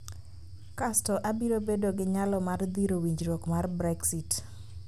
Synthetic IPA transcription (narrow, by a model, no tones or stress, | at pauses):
kastɔʔabiɾobedoɡɪɲalɔmard̪iɾowiɲd͡ʒɾokmarbɾɛksit